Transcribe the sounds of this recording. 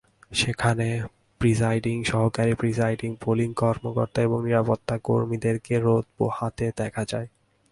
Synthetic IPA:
ʃekʰane | pɾizajɖiŋʃɔɦokaɾipɾizajɖiŋpoliŋkɔɾmokɔ̰ɾt̪aeboŋniɾapot̪ːako̰ɾmid̪eɾkeɾod̪̚bo̰hat̪ed̪ɛkʰad͡ʑae

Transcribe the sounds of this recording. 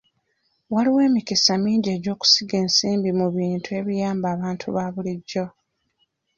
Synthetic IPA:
waliwe̞ːmikisamiːɲɟe̞ːɟo̞ːku̥siɡe̞ːnsiːmbimuβiːntʰue̞βijaːmbaːβaːntʰṵβaβuliɟːo̞

